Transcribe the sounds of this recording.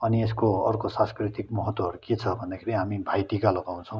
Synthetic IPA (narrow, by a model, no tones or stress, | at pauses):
ʌnieskoʌrkosãnskrit̪ikmʌɦʌt̪wʌɦʌɾuket͡sʰʌbʱʌnd̪akʰeɾiɦamibʱajt̪ikalʌɡaw̃t͡sʰʌ̃w̃